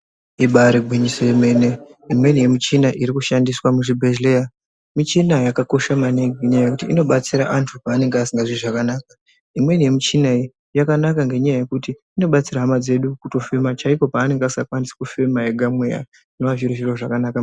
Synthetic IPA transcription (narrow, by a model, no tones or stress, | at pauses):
iɓaɾiɡʱwiɲisojeme̞ne̞imwe̞nije̞mit͡ʃinaʔiɾikuʃandiswamuʐibʱeʒleja | mit͡ʃinajakako̞ʃamaneɡeɲajaje̞kutiːno̞ɓat͡siɾaʔantʰupaːne̞ŋɡeasiŋɡaʐiʐakanaːka | imwe̞nije̞mit͡ʃinai | jakanakaŋɡe̞ɲajaje̞kutiːno̞ɓat͡siɾaɦamad͡ze̞ɗukuto̞femat͡ʃaiko̞paːne̞ŋɡasiŋakwandisi̥kufe̞maeɡʱamwe̞ja̰ | neʋaviɾuʒiɾoʐakanaka